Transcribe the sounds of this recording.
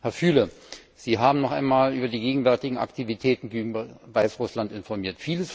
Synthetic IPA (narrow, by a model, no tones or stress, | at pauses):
hɛɐfyːlə | z̥iːɦaːbm̩nɔχʔa̰ɪnmaːlʔyːbɐdiːɡeːɡŋ̩vɛɐtɪɡŋ̩ʔa̰ktʰivitʰɛːtn̩ɡyːŋ̩vaɪsʁʊslantɪnfɔɐmiːɐtfiːləs